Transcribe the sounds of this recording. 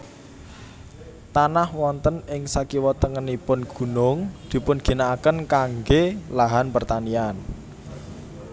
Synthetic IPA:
t̪anahwɔnt̪ənɪŋsakiwɔt̪əŋənipʊnɡ̥ṳnʊŋd̪̥i̤pʊnɡ̥i̤naːkənkaŋɡelaɦanpərt̪anian

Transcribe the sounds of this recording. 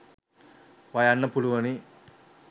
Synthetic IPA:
ʋɐjanːɐpuluʋɐni

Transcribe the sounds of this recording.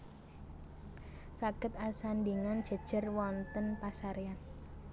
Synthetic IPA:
saɡ̥ət̪asandiŋand̥ʒ̥ə̤d̥ʒ̥ə̤rwɔnt̪ənpasaɾean

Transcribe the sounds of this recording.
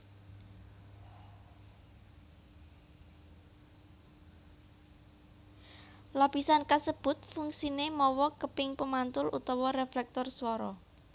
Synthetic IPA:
lapisankasəb̥ʊ̤t̪̚fuŋsinemɔwɔkəpɪŋpəmant̪ʊlʔṵt̪ɔwɔreflɛk̚t̪ɔrswɔɾɔ

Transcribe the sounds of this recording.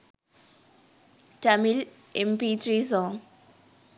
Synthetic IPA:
tamil | ɛmpit̪rizɔ

